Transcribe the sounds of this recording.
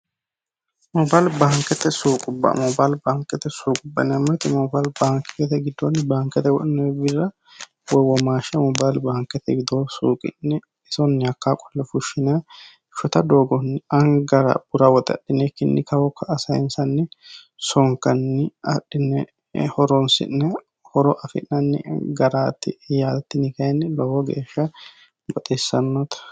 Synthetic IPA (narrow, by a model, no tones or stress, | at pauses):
mɔbalbaːŋkɛt̪ɛsuːkʼʊbːɐ̰mɔbalbaːŋkɛt̪ːɛsuːkʼʊbːɐ̰nɪɐmɛt̪ɪmɔbaːlbaːŋkɛt̪ɛɡɪd̪ːɔnːɪbaːŋkɛt̪ɛwɔɗnɛbɪrːɐ | wɔwɔmaːʃɛmɔbaːjlbaːŋkːɛt̪ːɛɡɪd̪osuːkʼɪ̰nːɛ | ɛsɔnːɪɐkːaːkʼɔ̥lːɛfʊʃɪnɐ | ʃɔt̪ɐd̪oːɡɔnːɪɐŋɡɐɾɐ̰b̥ʊɾawɔt̪ʼɐ̰ɗːɪnɛkːɪnːɪkɐwɔkʰːɐːsɐjɪnsɐnːɪ | sɔŋkɐnːɪɐɗɪnɛ | hɔɾɔnsɪ̰nnɛ | hɔɾɔʔɐfɪ̰nːɐnːɪ̰ɡɐɾaːt̪ːɪjaːlt̪ːɪnɪkɐɛnɪlɔwɔɡḛːʃːɐ | bɐt̪ʼesːɐnːɔt̪ɐ̥